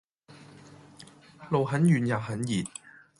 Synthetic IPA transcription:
lo˨whɐ˨˥njyː˨˩njaː˨˩hɐ˨˥njiː˨˩t̚

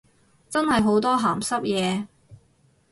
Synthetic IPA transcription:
t͡sɐ˥nhɐ˨jɦo˨˥wt̪ɔː˥ɦaː˨˩msɐ˥p̚jɛː˨˧

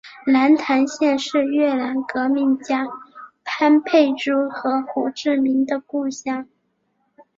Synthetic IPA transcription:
na˧˥nt̪ʰa˧˥nɕjɛ˥˧nʂɻ̩˥˧ɥɛ˥˩la˧˥nkɤ˧˥mi˧˥nt͡ɕja˥pʰa˥npʰe˥˩ɪʈ͡ʂu˥xɤ˧˥xu˨˩ʈ͡ʂɻ̩˥˩mi˧˥nd̪ə˧ku˥˧ɕjɑ˥˩ŋ

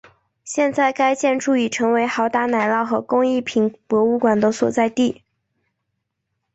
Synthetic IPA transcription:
ɕjɛ˥˧nt͡sa˥˩ɪka˥ɪt͡ɕjɛ˥˧nʈ͡ʂʰu˥˩i˨˩ʈ͡ʂʰɤ˧˥ŋwe˧˥ɪxɑ˧˥ʊt̪a˥˩na˨˩ɪlɑ˥˩ʊxɤ˧˥kʊ˥ŋi˥˩pʰi˧˥ŋpwɔ˧˥u˥˩kwa˨˩nd̪ə˧˥swɔ̰˨˩t͡sa˥˧ɪt̪i˥˩

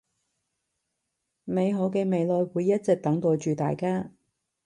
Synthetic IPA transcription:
me˨˧jɦo˨˥wkɛː˧me˨˧jlɔː˨˧jwuː˨˧jːɐ˥t̚t͡sɛ˨k̚t̪ɐ˨˥ŋt̪oː˨t͡ʃyː˨t̪a̰ː˨jkaː˥

